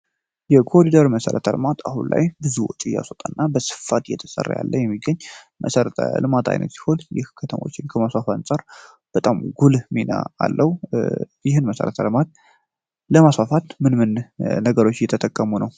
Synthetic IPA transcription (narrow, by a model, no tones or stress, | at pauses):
jɛkʰoɾid̪əɾməsəɾə̰t̪ʰəlɨmat̪ʰahunla̰jbɨzuwɔt͡ʃʼija̰sot̪ʼanːabəsɨ̥fat̪jɛ̰t̪ʰə̥sʼə̰rːa̰ja̰lːəjɛmːiɡːəɲː | mʔəsəɾət̪ʰə̰lɨmat̪ʰa̰jnʔə̰t̪si̥honjɪ̰hkʰət̪ʰəmo̞̰t͡ʃːɪnkʰəmasfafansʼaɾ | b̥ət̪ʼamɡulmina̰a̰lːʔəhujɪɦɨnməsə̰ɾət̪ʰəlɨmat̪̚ | ləmasfafat̪mɨnmɨnnəɡəɾo̞t͡ʃːjɛt̪ʰət̪ʼəkʼːəmunəw